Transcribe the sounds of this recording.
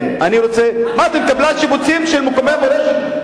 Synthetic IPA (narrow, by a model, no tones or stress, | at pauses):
maniʁot͡semaːt̪emekablaʃibut͡simʃelmukomemoleʃe